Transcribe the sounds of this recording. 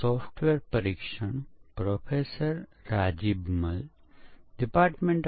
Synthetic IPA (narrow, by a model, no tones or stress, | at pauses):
sɔːpʰʈʋeːɾpɐɾikʃəɳpɾoːpʰeːsəɾːaːd͡ʒibmɐl | ɖipaːɾʈmẽɳʈ